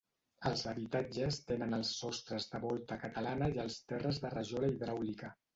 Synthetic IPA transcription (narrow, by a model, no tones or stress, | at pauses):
əlˠzəβit̪ad͡ʒəst̪enənəlˠsːɔst̪ɾəzðəβɔlˠt̪əkət̪əlanəiəlˠst̪ɛrəzðərəʒoɾəiðɾawlikə